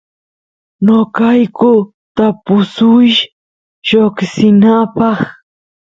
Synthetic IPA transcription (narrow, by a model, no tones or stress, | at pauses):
nokɑjkʊ | t̪apʊsʊj | ʃoksɪnapɑχ